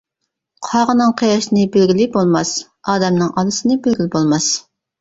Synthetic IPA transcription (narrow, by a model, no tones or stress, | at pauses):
qʰɑʁənɨŋqʰejɑʃɪnɨbelɡʲilɪbolˠmɑs | ɑːd̪ɛmnɨŋʔɑlˠɨsɨnɨbelɡʲilɪbolˠmɑs